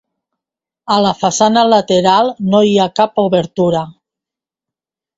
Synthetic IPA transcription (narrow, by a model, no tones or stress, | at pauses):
əlafasanalat̪eɾalˠnoiakapuβeɾt̪uɾa